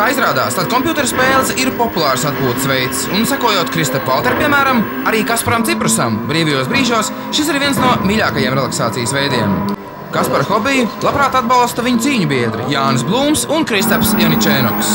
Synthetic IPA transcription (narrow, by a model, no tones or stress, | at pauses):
kaːizɾaːd̪a̰ːst̪ad̪̚kɔmpjuːt̪ɛɾspeːlˠsiɾpɔpulˠɑːɾsat̪̚puːt̪svɛjt̪sunsakuɔjoːt̪kɾist̪ɛfvalˠt̪ɛɾpʲiɛmæːɾam | aɾiːkaspaɾamt̪ipɾusambɾiːvajuɔːbɾiːʒuɔs | ʃis̬iɾviɛnsnuɔmʲiʎʲaːkajeɛmɾelˠaksaːt̪sijəsvɛjd̪iɛm | kaspaɾxɔbijulˠapɾaːt̪ad̪balˠst̪ɐviɲʊt̪siːɲubiɛd̪ɾḭjaːnsblˠuːmsunkɾist̪ɛfsjanit͡ʃɛnɔ̰ks